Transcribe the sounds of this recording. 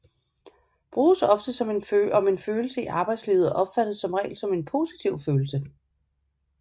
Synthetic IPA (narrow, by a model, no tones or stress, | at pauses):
b̥ʁuːsɒ̽fd̥əsɒ̽me̝nføɒ̽me̝nføːl̩səiʔɑ̈ːb̥ɑ̈ɪd̥sliːʊð̩ˠʔɒ̽b̥fæd̥ð̩ˠsɒ̽mʁɛ̰ːlsɒ̽me̝npʰo̝si̥t͡sʰiʊ̰føːl̩sə